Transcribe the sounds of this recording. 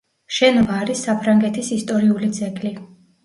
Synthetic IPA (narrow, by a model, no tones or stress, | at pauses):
ʃɛnɔbaːɾisːapʰɾaŋɡɛt̪ʰisist̪ʼɔɾiulit̪sʰʼɛkʼli